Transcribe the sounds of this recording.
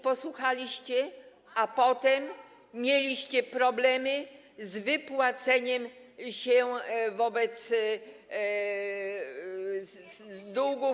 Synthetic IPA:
pɔswuxalʲiɕt͡ɕɛ | apɔt̪ɛmːʲ | jelʲiɕt͡ɕɛpɾɔblɛmɘ | zvɘpwat̪sɛɲɛmɕɛvɔbɛt̪s | d̪uɡu

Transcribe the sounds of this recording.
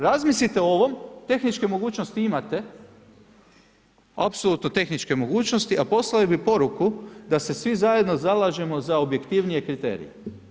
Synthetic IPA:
ɾazmislit̪eooʋo̞mt̪e̞xnit͡ʃke̞mo̞ɡuːt͡ʃnost̪iimat̪e̞ | apsolˠuːt̪no̞t̪e̞xnit͡ʃke̞mo̞ɡuːt͡ʃnost̪iʔapo̞slalibipo̞ɾukud̪ase̞sʋizaje̞d̪no̞zalaʒe̞mo̞zaobje̞kt̪iʋnije̞kɾit̪ḛɾḭjḛ

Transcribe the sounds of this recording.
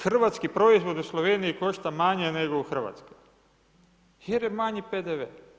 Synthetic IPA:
xr̩ʋat̪skipɾo̞izʋo̞d̪uslˠoʋeːnijiko̞ʃt̪amaɲeneɡouxr̩ʋa̰t̪ske | jeɾjemaɲiped̪eʋeː

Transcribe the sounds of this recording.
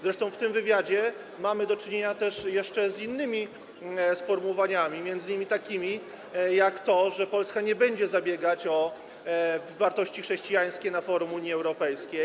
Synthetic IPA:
zɾɛʂt̪ɔ̃w̃ft̪ɘmvɘvʲjad͡ʑɛ | mamɘd̪ɔt͡ʂɘɲeɲat̪ɛʂjɛʂt͡ʂɛzinːɘmʲi | sfɔɾmuɔvaɲamʲimʲjɛnd̪zɘɲimʲit̪akʲimʲi | jakt̪ɔʐɛpɔlskaɲɛbɛɲd͡ʑɛzabʲjɛɡat͡ɕɔ | vːaɾt̪ɔɕt͡ɕixʂɛɕt͡ɕijaj̃skʲɛnafɔɾumuɲjiɛwɾɔpɛjskʲej

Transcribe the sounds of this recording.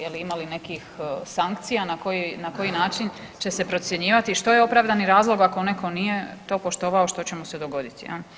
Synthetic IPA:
jeliimaline̞kixsaŋkt̪sijanakojinako̞jinaːt͡ʃin | t͡ɕe̞se̞pɾot̪sje̞ɲiːʋat̪iʃt̪ojeo̞pɾaʋd̪aniɾaːzlˠo̞ɡakone̞ko̞nije̞t̪o̞ːpo̞ʃt̪o̞ʋaoʃt̪o̞t͡ɕe̞mose̞d̪o̞ɡo̞d̪it̪ia̰l

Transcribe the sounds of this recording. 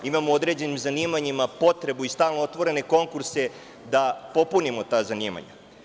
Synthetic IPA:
imamood̪ɾe̞ːd͡ʑe̞nimzaniːmaɲimapo̞t̪ɾe̞buist̪aːlˠnoot̪ʋo̞ɾe̞ne̞ko̞ŋkuɾse̞ | d̪apo̞punimot̪aːzaniːma̰ɲa̰

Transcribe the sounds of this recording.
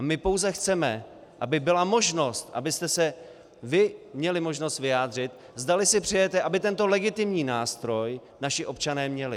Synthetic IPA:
amɪpo̞wzɛxt͡sɛmɛ | ʔabɪbɪlamo̞ʒno̞st̪ʔa̰bɪst̪ɛsɛ | vɪmɲɛlɪmo̞ʒno̞st̪vɪjaːd̪r̝ɪt̪ | zd̪alɪsɪpr̥ɛjɛt̪ɛʔabɪt̪ɛnt̪o̞lɛɡɪt̪ɪmɲiːnaːst̪ɾo̞j | naʃɪʔo̞pt͡ʃanɛːmɲɛlɪ

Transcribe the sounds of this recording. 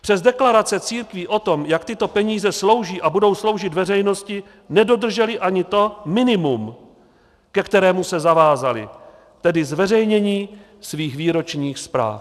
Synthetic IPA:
pr̥ɛzdɛklaɾat͡sɛt͡siːɾkviʔo̞t̪o̞mjak̚t̪ɪt̪o̞pɛɲiːzɛslo̞wʒiːʔabudo̞wslo̞wʒɪt̪vɛrɛjno̞scɪ | nɛdo̞d̪r̩ʒɛlɪʔaɲɪt̪o̞mɪnɪmum | kɛkt̪ɛɾɛːmusɛzavaːzalɪ̰ | t̪ɛdɪzvɛrɛjɲɛɲiː | sviːxviːɾo̞t͡ʃɲiːxspɾa̰ːf

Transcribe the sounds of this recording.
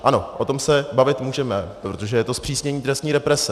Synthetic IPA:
ʔano̞ʔot̪o̞msɛbavɪt̪muːʒɛmɛpɾot̪oʒɛjɛt̪o̞spr̥iːsɲɛɲiːt̪ɾɛst̪ɲiːɾɛpɾɛsɛ

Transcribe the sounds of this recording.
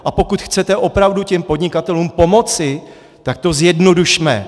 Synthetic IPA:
ʔapo̞kut̪xt͡sɛt̪ɛʔo̞pɾavducɛmpo̞dɲɪkat̪ɛluːmpo̞mo̞t͡sɪ | t̪ak̚t̪o̞zjɛdno̞duʃmɛ̰

